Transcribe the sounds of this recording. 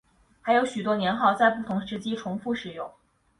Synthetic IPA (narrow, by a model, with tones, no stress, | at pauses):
xa˧˥ɪjo˧˥ʊɕy˨˩t̪̬wɔ˥njɛ˧˥nxɑ˥˧ʊt͡sa˥˧ɪpu˥˩t̪ʰʊ˧˥ŋʂɻ̩˧˥t͡ɕi˥ʈ͡ʂʰʊ˧˥ŋfu˥˩ʂɻ̩˨˩jʊ˥˩ŋ